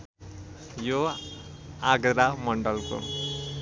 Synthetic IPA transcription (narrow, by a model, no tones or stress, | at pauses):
jo | aɡɾamʌɳɖʌlko̰